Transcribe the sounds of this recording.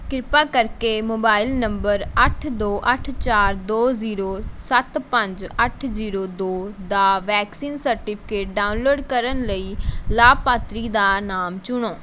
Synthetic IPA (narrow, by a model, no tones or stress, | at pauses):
kɾɪpaːkəɾkeːmoːbaːɪlnəmbəɾəʈʰd̪oːʔəʈʰt͡ʃaːɾd̪oːziːɾoːsət̪pə̃ɲd͡ʒəʈʰziːɾoːd̪oːd̪aːʋɛːksiːnsəɾʈiːpʰɪ̥keːʈ̚ɖaːunloːɖkəɾənləiːlaːpaːt̪ɾiːd̪aːnaːmt͡ʃʊɳoː